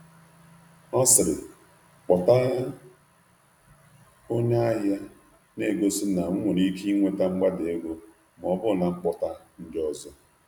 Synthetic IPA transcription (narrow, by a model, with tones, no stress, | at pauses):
ɔ˦sɪ˨ɾɪ̰˨ | k͡pɔ˨ta˦a˦ | o˦ɲe˦a˦ɦa˦ | ne˦˨ɡo˦si˦na˨ŋ̩˦ŋʷʊ˨ɾi˦kʰi˦ŋʷe˦ta˦ŋ͡m̩˦ɡ͡ba˦de˦ɡo˦ | m˨ɔ˨bʊ˦˨na˨ŋ͡m̩˦k͡pɔ˨ta˦ | n̩˦dɪ˦ɔ˦zɔ˦